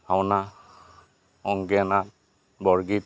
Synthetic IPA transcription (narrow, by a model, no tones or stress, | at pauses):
hawna | ɔŋɡɛnat̚ | bɔɹɡit̚